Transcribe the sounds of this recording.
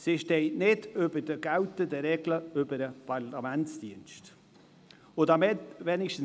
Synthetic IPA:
sɪʃtɛɪnɪdøbəd̥əɡ̥awt̪ədəɾɛɡ̥ləʏbəɾəpʰɑɾlamɛntsd̥iənʃt | ʊdɑmɪtvɛːnɪʃtən̩

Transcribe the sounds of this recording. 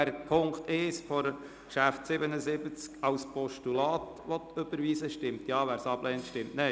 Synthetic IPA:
æɾpʰʊŋktɪʃfɔɾ | kʃæftsɪbənəzɪbət͡skɑwspʰɔʃtulɑːt | ʋɔt̪ʰøb̥əɾʋiːsəʃtɪmtjɑːʋæːɾsɑb̥lɛːntʃtɪmtne

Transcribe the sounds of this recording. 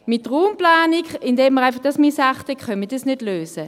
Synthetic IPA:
mɪt̚dʁuːmplaːnikɪndɛːmːəʁaɪfɑχd̥ɑsmisaχtɛkχœnmədisnødløːsə

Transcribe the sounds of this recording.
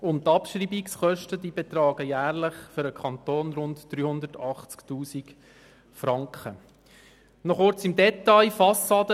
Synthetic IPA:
ʊntːɑpʃɾiːbiksχœʃtədibɛt̪ɾɑːɡ̥əjæːɾləχfʏɾəkʰɑnt̪oːnɾʊntd̥ɾyːhʊnd̪ətɑχt͡sktuːsik | fɾɑŋkχə | nɔχʊɾt͡sɪmdɛtɑɪfɑsɑːdə

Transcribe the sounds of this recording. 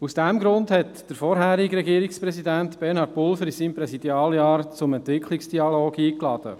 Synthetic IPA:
usd̥ɛmɡɾʊndhɛtd̥əɾfɔɾɦæːɾiɡɾɛɡiːɾikspɾɛsidæntb̥ɛɾnhɑtpʊlfəɾisiːmpɾɛsid̥̪jɑːljɑːɾt͡sʊmɛntʋɪkʰliksd̥iɑloːɡiːklɑd̥ə̰

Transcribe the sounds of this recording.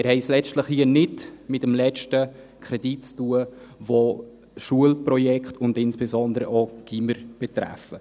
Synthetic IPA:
ɪɾhɛɪslɛt͡stləχhiənɪtmɪtəmlɛt͡ʃtə | kʰɾɛditt͡stuəvo | ʃuəlprɔjɛkχtʊndɪnsb̥ɛsɔnd̪əɾəʔoɡ̥iməɾb̥ɛt̪ɾæ̰fə

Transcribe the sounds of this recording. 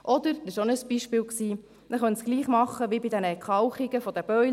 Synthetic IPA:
ʔɔd̪əɾɪʃonəsb̥iʃpɪːlksiː | nəχœnt̪sɡ̥liːχmɑχːəʋibid̥̪ɛnəkʰɑwχiɡəfɔd̥̪əb̥œʏ

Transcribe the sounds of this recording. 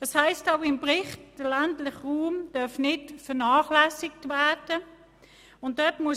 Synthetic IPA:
d̥ɑshaɪstaʊɪmpʁɪχtd̥əlantlɪχʁuːmd̥œɐfnɪtfəɐnaːχlæsɪktvɛɐd̥ə | ʊnt̚dœtmuə

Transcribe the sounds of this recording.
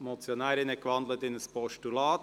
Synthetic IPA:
mɔt͡sjonaːɾɪnəkʋɑnd̪lətɪnəspʰɔʃtulɑːt

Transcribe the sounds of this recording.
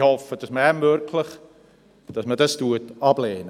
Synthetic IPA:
hɔfəd̥ɑsməɛmøɾkʰləχ | d̥ɑsmədɑstuətɑblɛːnə

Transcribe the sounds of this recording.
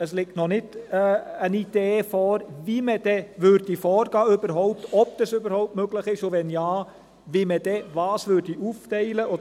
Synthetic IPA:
əslɪktnɔnɪd | ənid̥eːfɔːɾviməd̥ɛʋøɾdifɔːɾɡ̥ɑːʏbəɾɦɔʊp̚tɔb̚d̪̥əsøbəɾhɔʊp̚tmøɡləχɪʃʊvɛnjɑː | viməd̥ɛvɑːsvʏɾdiʔuftɛɪləʔo

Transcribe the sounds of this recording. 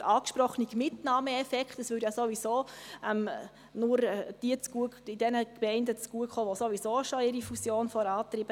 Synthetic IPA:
ʔɑːkʃpɾɔχəniɡ̥mɪtnɑːməɛfɛkχtəsʋʏːɾjasoʋizoːɛm | nʊɾd̥iət͡sɡ̥uəkid̥ɛnəkmɛɪndət͡sɡ̥uəkχoːʋosoʋizoːʃoɪɾifusjoːnfɔɾɑːt̪ɾiːb̥ə

